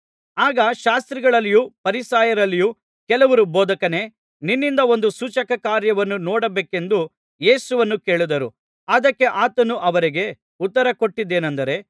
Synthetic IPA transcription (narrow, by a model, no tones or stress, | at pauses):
aːɡɐʃaːst̪ɾiɡɐɭɐlːijupɐɾisaːjɐɾɐlːiju | kɛlɐʋɐɾuboːd̪ɐkɐne̞ | ninːind̪ɐo̞nd̪usut͡ʃɐkɐkaːɾjɐʋɐnːunɔːɽɐbeːke̞nd̪u | je̞ːsuʋɐnːuke̞ːɭud̪ɐɾu | ɐd̪ɐkːe̞ʔaːt̪ɐnuʔɐʋɐɾiɡe̞ | ut̪ːɐɾɐko̞ʈːid̪ːe̞ːnɐnd̪ɐɾe̞